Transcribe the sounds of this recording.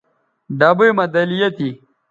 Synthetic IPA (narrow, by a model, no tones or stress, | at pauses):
ɖaːbujmɐd̪ɐlijɐt̪i